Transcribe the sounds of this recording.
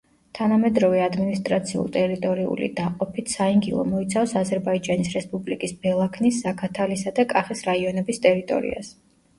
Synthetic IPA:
t̪ʰanamɛd̪ɾɔvɛad̪minist̪ʼɾat̪sʰiṵlˠt̪ʼɛɾit̪ʼɔɾiṵlḭd̪aqʼɔpʰit̪ʰsaiŋɡilˠɔ̰mɔit̪sʰafsazɛɾbaid͡ʒanisɾɛspʼublikʼisbɛlˠakʰnisːakʰat̪ʰalisad̪akʼaχɛsɾaiɔnɛbist̪ʼɛɾit̪ʼɔ̰ɾḭa̰s

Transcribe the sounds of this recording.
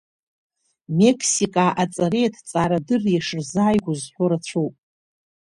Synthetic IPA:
me̞kʰsikʼaʔat͡sʼaɾejtʰt͡sʼaɾadɨrjaʂɨrzaːjɡʷʊzħʷʊɾat͡ɕʷʰowpʼ

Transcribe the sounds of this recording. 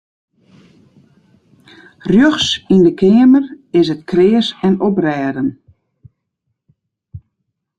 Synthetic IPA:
rjøxsindəkʰɪəmərɪs̬ətkʰrɪːəsɛnɔprɛːdən

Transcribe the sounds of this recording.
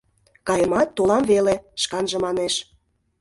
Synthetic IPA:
kɑjəmɑt̪ːolɑmveleʃkɑnʒə̆mɑneʃ

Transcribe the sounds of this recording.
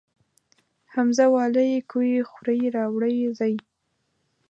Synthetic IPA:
hamzawɑləjkujixuɾajɾɑwɽəjzɑj

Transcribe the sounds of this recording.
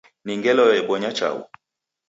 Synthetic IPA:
niŋɡɛlɔɛɓɔɲat͡ʃa̰ṵ

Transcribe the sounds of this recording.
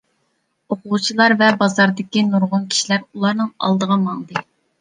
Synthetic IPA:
oqʊʁt͡ʃʰilˠɑɾvɛbɑzɑɾd̪ɪkʲinuɾʁʊnkʲʰi̥ʃilæɾulˠɑɾnɨŋɑ̰lˠd̪əʁɑmɑŋd̪ɨ

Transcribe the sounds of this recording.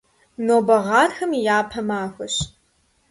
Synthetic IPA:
noːbɐʁɑːrxɐmijaːpʰɐmaːxʷɐɕ

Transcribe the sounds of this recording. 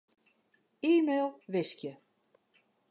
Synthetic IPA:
iːmeːlˠʋɪskjə

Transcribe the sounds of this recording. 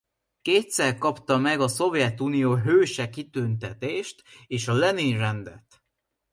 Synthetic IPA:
keːt̪sɛrkɒpt̪ɒmɛɡɒso̞vjɛt̪uːnijoːɦøːʃɛkit̪ynt̪ɛt̪eːʃt̪eːʃɒlɛninrɛnd̪ɛ̰t̪

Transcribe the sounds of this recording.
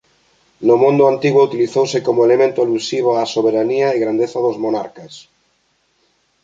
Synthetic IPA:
nomõnd̪oant̪iɣwout̪iliθowsekomoelemẽnt̪ʊalusiβ̞oasoβ̞eɾaniaeɣɾand̪eθaðozmona̰ɾkas

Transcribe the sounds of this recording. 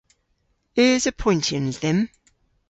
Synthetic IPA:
əzəpʰɔ̃ɪ̃ntʰə̃nðə̃m

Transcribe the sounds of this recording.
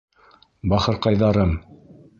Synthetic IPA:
bɑχɤ̆ɾqɑjðɑɾɤm

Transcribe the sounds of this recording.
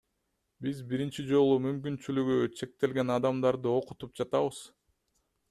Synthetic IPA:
bizbiɾint͡ʃid͡ʒo̞lˠumymk̬ynt͡ʃylyɡyt͡ʃʰe̞k̚t̪e̞lɡe̞nɑd̪ɑmd̪ɑɾd̪ɯo̞qu̥t̪up̚d͡ʒɑt̪ɑβɯz̥

